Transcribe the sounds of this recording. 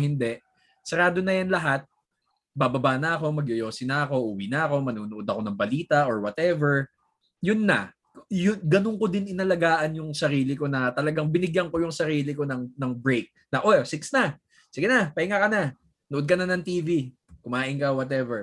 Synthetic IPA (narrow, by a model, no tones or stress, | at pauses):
hɪnd̪ɛʔ | sɛɾaːd̪o̞nɐjɐnlɐɦat̪̚ | babɐbanɐɐko̞mɐɡjojo̞ːsɪnɐɐko̞ʔuːwinɐɐko̞mɐnuːnʊʔod̪ɐko̞nɐŋbɐliːt̪ɐʔoɹwɐt̪ɛvɛɹ | jʊnːɐ | jʊɡɐnoŋko̞d̪ɪnɪnɐlɐɡaːʔɐnjʊŋsɐɾiːlɪko̞nɐt̪ɐlɐɡaŋbɪnɪɡjɐŋko̞jʊŋsɐɾiːlɪko̞nɐŋnɐŋbɹejk̚nɐʔosɪksnɐ | sɪɡɪnapɐɪŋakɐna | noʔd̪̚kɐnɐnɐŋt̪iːvi | kʊmaːʔɪŋkɐwɐt̪ɛvɛɹ